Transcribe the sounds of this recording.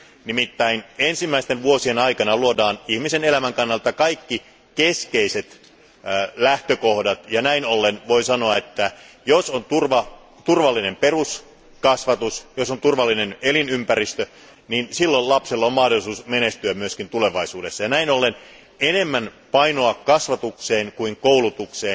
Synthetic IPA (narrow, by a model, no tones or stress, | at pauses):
nimit̪ːæinensimːæist̪enʋuosienɑikɑnɑluodɑːnihmisenelæmæŋkɑnːɑlt̪ɑkɑikːi | keskeiset̪ | læht̪økohdɑt̪jɑnæinolːenʋo̞isɑnoɑet̪ːæ | josont̪urʋɑ | t̪urʋɑlːine̞mperus | kɑsʋɑt̪usjosont̪urʋɑlːinenelinympærist̪ø | niːnsilːollɑpselːommɑhdolːˑisuːsmenest̪yæmyøskint̪ule̞ʋɑisuːdesːɑjɑnæinolːen | enemːænpɑinoɑkkɑsʋɑt̪ukseːŋkuiŋkoulut̪ukseː